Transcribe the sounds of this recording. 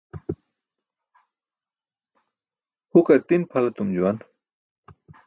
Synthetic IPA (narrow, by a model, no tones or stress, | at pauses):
hukɐt̪inpʰalat̪umd͡ʑuwan